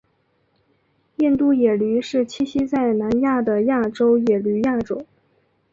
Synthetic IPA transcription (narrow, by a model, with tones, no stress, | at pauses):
jɛ˥˧nt̪u˥˧jɛ˨˩ly˧˥ʂɻ̩˥˩t͡ɕʰi˥ɕi˥t͡sa˥˩ɪna˧˥nja˥˩d̪ə˩ja˥˩ʈ͡ʂo˥ʊjɛ˨˩ly˧˥ja˥˩ʈ͡ʂʊ˨˩˦